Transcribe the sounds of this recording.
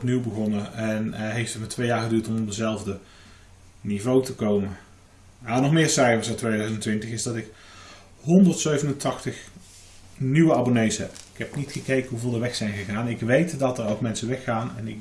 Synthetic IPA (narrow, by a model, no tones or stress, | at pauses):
pniwbəχɔnəɛnɦejftətmatʋejaːɹχədyːɹtɔmɔpdəzɛlˠvdə | nivowtəkowmə | maːnɔχmɪːɹsɛjvəsatʋejdœɥzəntʋɪntəχɪzdɑtɪk | ɦɔndəɹtsøɥvənəntʰɑχtəχ | nywəabonejsɦɛ̰pɪkɦɛpnitχəkejkənɦuvɪːlˠdəʋɛxsɛjnχəχaːnɪkʋejtdɑtərowkmɛnsəʋɛxːaːnɛ̰nɪk